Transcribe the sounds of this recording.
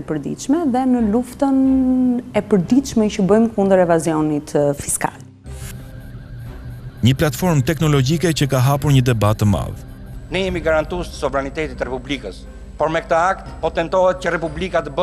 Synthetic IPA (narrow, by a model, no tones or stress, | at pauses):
ɛpəɾd̪ḭʃmɛðɛnəluft̪ən | ɛpəɾd̪iʃmɛcəbəjmkund̪əɾɛvazijɔnit̪fi̥ska̰l | ɲəplat̪fɔɾmt̪ɛknɔlɔɟikɛcəkaɦapuɾɲəd̪ɛbat̪əma̰ð | nɛjɛmiɡaɾant̪ust̪əsɔvɾanit̪ɛt̪it̪ɾɛpublikəs | pɔɾmɛk̚t̪əak̚t̪pɔt̪ɛnt̪ɔɦɛt̪̚cəɾɛpublikat̪əbə